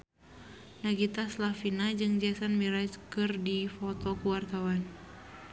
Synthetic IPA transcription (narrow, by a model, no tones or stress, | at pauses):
naɡit̪aslafinad͡ʒɨŋd͡ʒasanmiɾad͡ʒkɨrdifɔt̪ɔkuwart̪awan